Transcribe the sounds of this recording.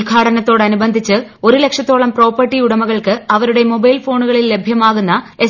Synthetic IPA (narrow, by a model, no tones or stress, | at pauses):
lɡʱaːʈɐnɐt̪ːo̞ːɽɐnubɐnd̪ʱit͡ɕːɨo̞ɾule̞kʂɐt̪ːo̞ːɭɐmpro̞ːpːɐrʈːiuɽɐmɐɣɐɭkɨɐʋɐɾuɽe̞mo̞bɐjlfo̞ːɳuɣɐɭilːe̞bʱjɐmaːɣunːɐe̞